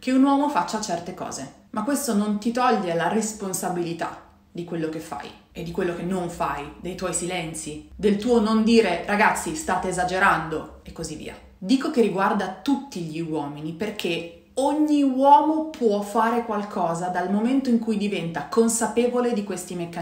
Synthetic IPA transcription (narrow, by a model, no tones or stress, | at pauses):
k̟eunwɔːmofat͡ʃːat͡ʃɛrt̪ekɔ̰ːze | makːwest̪onont̪it̪ɔʎːelaresponsabilit̪a̰ | d̪ikwelːokefːa̰j | ed̪ːikwelːokenːoɱfajd̪ejt̪wɔjsilɛnt̪sid̪elt̪uːonond̪iːɾeɾaɡat̪sːist̪aːt̪eːzad͡ʒeɾand̪o | ekːozivːḭːa̰ | d̪iːkokerːiɡward̪at̪ut̪ːiʎiwɔːminiperkʰe | oɲːiwɔːmopʰwɔfaːɾekwalkʰɔːzad̪almoment̪oiŋkujd̪ivɛnt̪akonsapeːvoled̪ikwest̪imekːa